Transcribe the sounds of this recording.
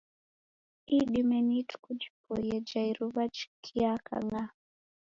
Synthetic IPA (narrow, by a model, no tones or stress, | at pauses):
iɗimɛnitu̥kud͡ʒipɔjɛd͡ʒaiɾuβad͡ʒkʰiaka̰ŋa